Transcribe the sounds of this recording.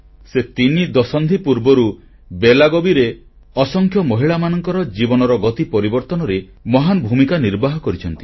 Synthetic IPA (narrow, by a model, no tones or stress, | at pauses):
set̪inid̪ɔsɔnd̪ʱipuɾbɔɾu | belaɡobiɾe | ɔsɔŋkʰjɔmɔɦiɭamanɔŋkɔɾɔd͡ʒibɔnɔɾɔɡɔt̪ipɔɾibɔɾt̪ɔnɔɾe | mɔɦanɔbʱumikaniɾbaɦɔkɔɾit͡ʃʰɔnt̪i̥